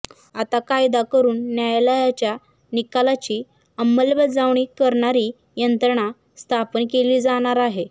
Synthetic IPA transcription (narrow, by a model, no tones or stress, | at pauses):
at̪akajd̪akəɾuːnːjajlajat͡ɕja | nikalat͡ɕiː | əmːəlbəd͡zaʋɳiːkəɾɳaɾiː | jənt̪ɾəɳ̃a | st̪ʰapənkeliːd͡zaɽ̃aɾaɦe